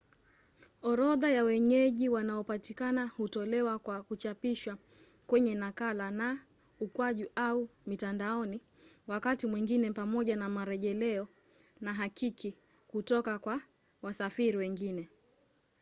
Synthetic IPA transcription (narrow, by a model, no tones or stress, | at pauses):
ɔɾɔðajawɛɲɛʄiwanaɔpatikanahutɔlɛwakwakut͡ʃapiʃwa | kwɛɲɛnakalana | ukwaʄiʔaumitandaɔni | wakatimwiŋɡinɛpamɔʄanamaɾɛʄɛlɛɔ | naɦakiki | kutɔkakwa | wasafiɾiwɛŋɡinɛ